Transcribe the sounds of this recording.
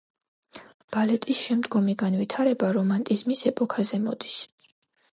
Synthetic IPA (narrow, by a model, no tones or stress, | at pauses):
b̥alɛt̪ʼisʃɛmd̪ɡɔmiɡanvit̪ʰaɾɛbaɾɔmant̪ʼizmisɛpʼɔkʰazɛmɔd̪is